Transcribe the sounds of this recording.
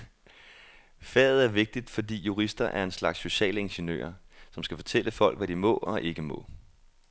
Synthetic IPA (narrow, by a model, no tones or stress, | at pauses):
fɛ̰ːð̩ˠæɐʋe̝ɡ̥̚d̥id̥fɒ̽d̥ḭːjuʁisd̥ɐʔæɐe̝nslɑ̈ɡ̥sːo̝ɕɛ̰ːləe̝nɕənø̰ːɐsɒ̽msɡ̥æfɒ̽t͡sʰel̰əfɒ̽l̰ɡ̥ʋæɾimɔ̰̽ɒ̽ʔe̝ɡ̥əmɔ̽